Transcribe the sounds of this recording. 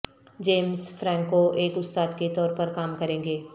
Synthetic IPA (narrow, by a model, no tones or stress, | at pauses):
d͡ʒeːmzfɾɛ̃ːŋkoʔeːkʊst̪aːd̪ket̪ɔːɾpɐɾkaːmkɐɾẽːŋɡeː